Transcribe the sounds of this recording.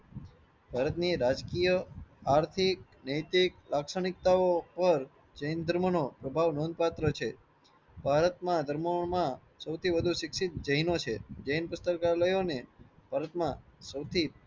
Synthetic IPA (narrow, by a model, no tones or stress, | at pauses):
bʱaɾət̪niɾad͡ʒkijəaɾt̪ʰik̚ | nəjt̪iklaksəɳɪk̚t̪aopəɾ | d͡ʒəjnd̪ʱəɾmənopɾəbʱaʋnõnd̪̚pat̪ɾət͡ʃʰe | bʱaɾət̪mãd̪ʱəɾməmã | səwt̪ʰiʋəd̪ʱuʃɪksɪt̪̚d͡ʒəɦinot͡ʃʰed͡ʒəjnpʊst̪əɾkaɾləjoneb̥ʱaɾət̪mãsəwt̪ʰi